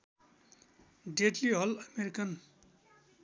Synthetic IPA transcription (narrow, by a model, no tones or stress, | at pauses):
ɖeʈliɦʌlʌmeɾikʌn